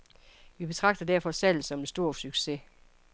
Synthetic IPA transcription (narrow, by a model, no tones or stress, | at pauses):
ʋib̥e̝t͡sʰʁɑ̈ɡ̥̚d̥ðd̥æɐ̰fɒ̽sæl̰sɒ̽mensd̥o̝ɐ̰syɡ̥se̝